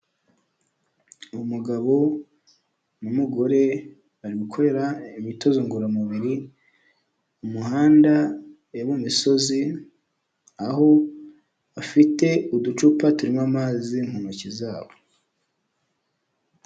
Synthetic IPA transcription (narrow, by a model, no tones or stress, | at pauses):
umuɡaβo̞ | mumuɡo̞ɾe̞ | βaɾiβukʰo̞ɾe̞ɾaimito̞zoŋɡuɾamuβiɾi | umuɦaːnda | eβumiso̞zi | aho̞ | afite̞udut͡ʃupatuɾimamaziŋ̥honocizaːβo